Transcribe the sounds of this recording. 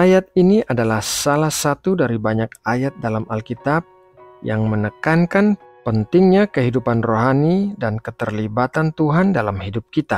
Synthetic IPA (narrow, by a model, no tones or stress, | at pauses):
ajat̪̚iniʔadalahsalahsat̪udaɾibaɲak̚ajat̪̚dalamalkit̪ap̚ | jaŋmənəkankan | pənt̪ɪŋɲakəɦidupanroɦanidankət̪ərlibat̪ant̪uɦandalamhidup̚kit̪a